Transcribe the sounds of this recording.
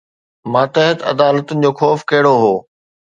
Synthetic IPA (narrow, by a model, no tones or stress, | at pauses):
mãːt̪ɐɦət̪ɐ̰d̪aːlət̪ʊnɪ̆d͡ʑoːxɔːfkɐɦɪɽoɦoː